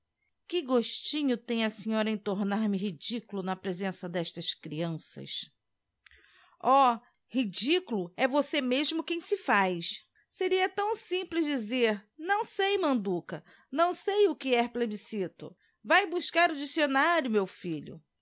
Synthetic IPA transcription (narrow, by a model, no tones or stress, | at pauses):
kɪɡoʃt͡ʃĩɲʊt̪ẽj̃ɐsĩɲɔɾɐẽj̃t̪oɾnaɾmɪɦid͡ʒikulʊnɐpɾezẽsɐd̪ɛʃt̪ɐskɾiɐ̃sɐ̰s | ɔ | hid͡ʒikulʊɛvosemeʒmʊkẽj̃sɪfajs | seɾiɐt̪ɐ̃w̃sĩplɪzd͡ʒizeɾnɐ̃w̃sejmɐ̃nd̪ukɐ | nɐ̃w̃sejʊkɪɛhplebisit̪ʊ̰ | vajbuʃkaɾʊd͡ʒisionaɾjʊmewfiʎʊ̰